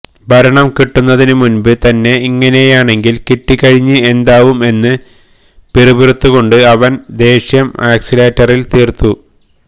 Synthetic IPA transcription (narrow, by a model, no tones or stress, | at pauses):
bʱɐɾɐɳɐmkiʈːunːɐðinɨmunbɨt̪ɐnːe̞iŋːɐne̞jaːɳe̞ŋɡilkiʈːikːɐɻiɲːɨe̞nd̪aːʋume̞nːɨ | piribiɾut̪ːuɣo̞ɳɖɨɐʋɐnd̪e̞ːɕjɐmaːksileːtːɐrilt̪iːrt̪ːu